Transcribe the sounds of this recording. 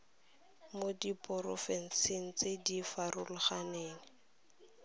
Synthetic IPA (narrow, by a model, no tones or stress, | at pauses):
modipʼɔrɔfɛn̩siŋ̩t͡sedifarʊlʊχaneːŋɪ